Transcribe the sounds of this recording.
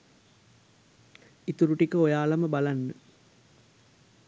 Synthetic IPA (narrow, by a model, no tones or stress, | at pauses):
it̪uɾuʈikəojaːlɐməbalanːə